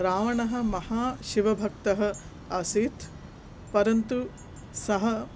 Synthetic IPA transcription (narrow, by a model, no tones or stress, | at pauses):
ɾaːʋɐɳɐɦɐ̆mɐhaːʃiʋɐbʱɐk̚t̪ɐɦɐ̆ | ɐsiːt̪ | pɐɾɐnt̪u | sɐɦɐ